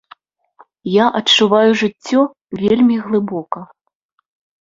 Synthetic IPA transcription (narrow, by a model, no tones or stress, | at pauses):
jaʔɐt͡ʂːuvajuʐɨt͡sʲːɔ | vʲelʲmʲiɣlˠɨbɔkɐ